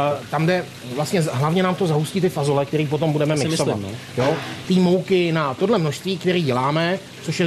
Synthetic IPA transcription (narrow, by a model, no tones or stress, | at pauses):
t̪amdɛ | vlast̪ɲɛɦlavɲɛnaːmt̪o̞zaɦusciːt̪̬ɪfazolɛkt̪ɛɾiːp̬o̞t̪o̞mbudɛmɛmɪksoa̰t̪ | jot̪iːmo̞wkɪnat̪o̞dlɛmnoʃst̪viːkt̪ɛɾiːɟɛlaːmɛ | t͡so̞ʃjɛ